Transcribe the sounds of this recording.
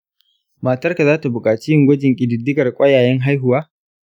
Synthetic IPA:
ma˨tɐ˦rka˨zaː˦ta˨bʊ˨kʼaː˨t͡ʃi˦jɪ˦ŋɡʷɐ˦d͡ʒɪ˨ŋkʲʼɪ˨dɪ˨dːɪ˦ɡɐ˨rkʷʼɐ˦jaː˨jɛ˦ŋɦa˦jɦʊ˨waː˦

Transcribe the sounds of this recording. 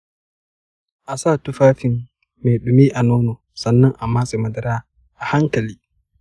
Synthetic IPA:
ʔa˨saː˦˨tu˦faː˦fi˨nː | ɛ˨ɗu˨miː˦ʔa˨nɔː˦nɔ˨ | sɐ˨nːɐ˦ŋʔa˨mːaː˦sɛ˨ma˨dɐ˨ɾaː˦ | ʔa˨ha˦ŋkɐ˨liː˦

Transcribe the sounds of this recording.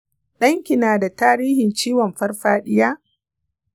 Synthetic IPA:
ɗɐ˦ŋkʲɪ˨naː˨da˨taː˦ɾiː˦hɪ˨nt͡ʃiː˦wɔ˨mɸɐ˦rɸaː˦ɗɪ˦jaː˦

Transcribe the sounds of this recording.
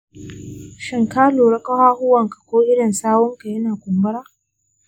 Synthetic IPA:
ʃɪ˨ŋkaː˦loː˨ɽɐ˦kɐ˦haː˦hʊ˦wɐ˨ŋkḁ˨kʷoː˦ʔɪ˦ɽɐ˨nsaː˦wɔ˦ŋka˨jɐ˦naː˨kʷʊ˨mbʊ˦ɽaː˦

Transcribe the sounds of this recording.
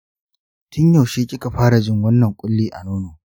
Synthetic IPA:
tʰʊ˦ɲja˨wʃeː˦kʲʼɪ˦ka˨ɸaː˦ɽa˨d͡ʒɪ˦ŋwɐ˦nːɐ˨ŋkʷʼʊ˦lːiː˦ʔa̰˨noː˦noː˨

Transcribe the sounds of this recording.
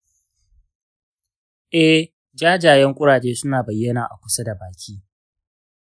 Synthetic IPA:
ʔɛ˦ | d͡ʒaː˦d͡ʒaː˨jɛ˦ŋkʷʼʊ˦ɽaː˨t͡ʃeː˦sʊ˦naː˨bɐ˨jːɐ˦naː˨ʔa˨kʷʊ˦sɐ˦da˨baː˨kʲʰiː˦

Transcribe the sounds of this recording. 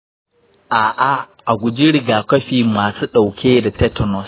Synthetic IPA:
ʔaː˨ʔa˦ | ʔa˨ɡʷʊ˨d͡ʒi˦ɽɪ˨ɡaː˨kɐ˦ɸiː˨maː˨suː˦ɗa˨wkʲʰeː˦da˨tɛ˦tɔ˦nɔ˦˨s

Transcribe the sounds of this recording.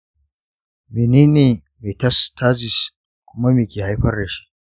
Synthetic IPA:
mi˨niː˦ne˨ | me˨tɐ˦stʰaː˦zi˨s | kʷʊ˦ma˦meː˨kʲeː˨ha˦jɸɐ˦rɽe˨ʃi̥˦

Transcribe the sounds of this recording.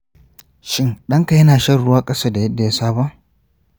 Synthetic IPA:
ʃɪ˦ŋɗɐ˦ŋka˨jɐ˦naː˨ʃɐ˦rɽʊ˦waː˦kʼɐ˦saː˦da˨jɐ˦dːa˨ja˦saː˦ba˦ʔ

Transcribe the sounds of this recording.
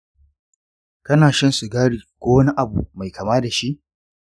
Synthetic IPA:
kɐ˦naː˨ʃɐ˦nsu˨ɡaː˦ɽiː˨kʷoː˦wɐ˦ni˦ʔa˨bṵ˨ma˨jkʰɐ˨maː˦da˨ʃi˦ʔ

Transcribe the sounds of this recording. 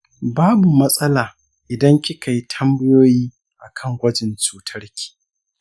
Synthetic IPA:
baː˦bu˨mɐ˦sʼɐ˦laː˨ | ʔɪ˨dɐ˦ŋkʲi˦ka˨ji˦tʰɐ˦mbɪ˦joː˦jiː˦ | ʔa˨kʰɐ˦˨ŋɡʷɐ˦d͡ʒɪ˨nt͡ʃuː˨tʰɐ˦rkʲi̥ː˨

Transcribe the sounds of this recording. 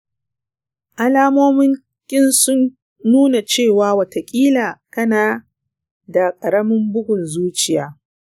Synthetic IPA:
ʔa˦laː˦moː˦mɪ˦ŋ | kʲʼɪ˦nsʊ˦nː | uː˦na˨t͡ʃeː˦˨waː˨˦wɐ˨te˨kʲʼiː˦laː˨kɐ˦naː˨ | da˨kʼɐ˨ɾɐ˦mɪ˦mbʊ˦ɡʷʊ˨nzuː˦t͡ʃɪ˨jaː˦

